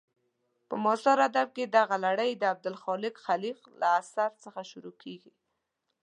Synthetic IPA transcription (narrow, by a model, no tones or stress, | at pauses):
pəmɔsɑɾad̪ab̚ked̪aɣalaɽəjd̪əab̚d̪ʊlxɑlɪkxaliqlaːsaɾt͡səxaʃʊɾokʰeɡi